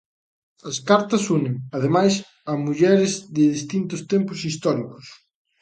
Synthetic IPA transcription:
ɐskaɾt̪ɐsunɪŋɐðemajs | ɐmuʎɛɾɪzðɪðist̪int̪ʊst̪ɛmpʊsist̪ɔɾikʊs

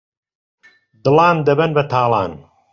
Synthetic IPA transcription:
d̪ɨlˠaːnd̪ɐbɐnbɐt̪ʰaːlˠɑ̰ːn

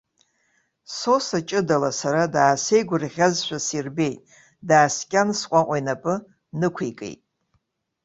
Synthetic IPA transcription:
so̞sat͡ʃʼɨdalasaɾadaːse̞jɡʷʊrʁʲazʃʷᶣasirbe̞jtʼ | daːskʲʼansqʷʼaʔʷʼajnapʼɨ | nɨkʷʰejkʼḛjtʼ

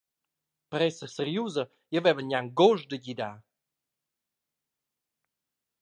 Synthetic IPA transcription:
pɾɛsəsəɾjuzə | jəvɛvəɲʲaŋɡoʒd̪əɟid̪a

